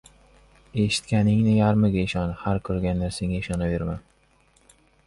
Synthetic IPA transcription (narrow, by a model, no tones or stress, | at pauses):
e̞ʃɪ̥t̪kʲanɪŋnɪjaɾmɪɡʲaɪʃɒnhaɾkʰɵɾɡʲanlaɾseŋaɪʃɒnabe̞ɾman